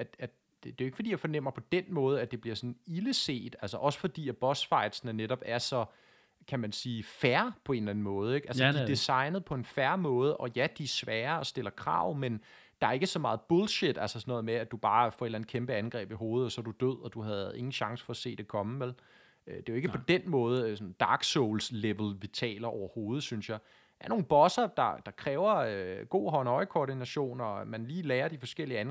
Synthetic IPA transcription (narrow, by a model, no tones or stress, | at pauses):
æ̥æ̥ | d̥e̝joe̝ɡ̥fɒd̥ḭjɑfɒ̽nem̰ɐpʰɒ̽d̥enmɔ̽ːð̞̩ˠæd̥e̝b̥liɐsɒ̽n̩iləse̝̰ːd̥ælsɒʔɒ̽sə̥fɒ̽d̥ḭːæb̥ɒ̽sfɑ̈ɪ̰d̥snəneɾɒ̽b̥æɐsɒ̽ | kʰæmænsiːfæɐpʰɒ̽e̝ːnlæn̩mɔ̽ːð̞̩ˠeɡ̥ælsədid̥isɑ̈ɪnəð̞̩ˠpʰɒ̽e̝nfæɐmɔ̽ːð̞ˠəʔɒ̽jæd̥iæsʋæːɐɒ̽sd̥e̝l̰ɐkʰʁɑ̰̈ʊ̰men | d̥ɑ̈æɐe̝ɡ̥əsɒ̽mɑ̈ːð̞̩ˠb̥ɔlɕed̥ælsɐsɒnɔ̽ːð̞̩ˠmeæ̥ub̥ɑ̈ːfɒ̽e̝lænd̥̩kʰemb̥əænɡ̥ʁɛ̰ːb̥iɦo̝ːð̞̩ˠɒsɒ̽dud̥øð̞̰ˠɒ̽d̥uhæðˠæð̩ˠe̝ŋn̩ɕɑ̈ŋsə̥fɒ̽æse̝̰ːd̥e̝kʰɒ̽məʋel | ød̥e̝e̝ɡəpʰɒ̽d̥enmɔ̽ːð̞̩ˠəsɒ̽n̩d̥ɑ̈ːɡ̥sɔʊlsleʋl̩ʋit͡sʰɛ̰ːlɐʔɒʊɐho̝ːð̞̩ˠsynsjɑ̈ɪ | æɐno̝ːn̩b̥ɒ̽sɐd̥ɑ̈d̥ɑ̈kʰʁɛːʊɐøɡ̥o̝̰ːɦɒ̽nɒ̽ɪkʰoːd̥inæɕo̝̰ːnɒmænliːlɛːɐd̥ifɒ̽sɡ̥el̰iəæn